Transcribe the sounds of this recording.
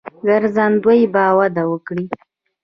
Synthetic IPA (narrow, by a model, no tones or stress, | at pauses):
ɡaɾzand̪wəjibɑwad̪awəkɽi